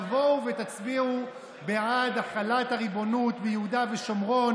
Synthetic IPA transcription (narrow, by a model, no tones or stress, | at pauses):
vo̞wvet̪at͡sbiu | beʕad̪aχalat̪haʁibo̞nut̪bejehud̪aveʃo̞mʁo̞